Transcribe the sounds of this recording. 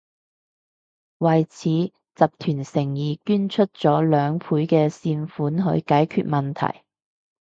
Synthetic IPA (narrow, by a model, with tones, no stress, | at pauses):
wɐ˨jt͡sʰiː˨˥ | t͡sɐ˨p̚t̪ʰyː˨˩nsɪ˨˩ŋjiː˨˩kyː˥nt͡ʃʰɵ˥t̚t͡sɔː˨˥lœː˨ŋpʰuː˨˥jkɛː˧siː˧nfuː˨˥nɦɵ̰˨˧˥ɥkaː˨˥jkʰy̰ː˨˧t̚mɐ˨nt̪ʰɐ̰˨˩j